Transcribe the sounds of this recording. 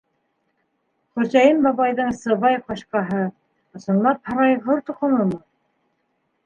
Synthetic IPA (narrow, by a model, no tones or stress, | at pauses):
χɵ̆ɾzæjɘmbɑβɑjðɤɴsɤ̆βɑjqɑɕqɑɦɤ | ŏsɤ̆nlˠɑp̚hɑ̆ɾɑjʁoɾt̪uqɤ̆nɤmɤ